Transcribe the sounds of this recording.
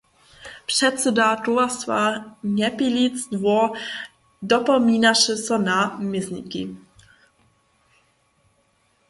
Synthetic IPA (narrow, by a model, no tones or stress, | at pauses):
pʂɛt̪sɛdatuasva̰ɲɛpilit͡sd̪vɔ | dɔpɔmiːnaʃɛsɔnamɪznḭkḭ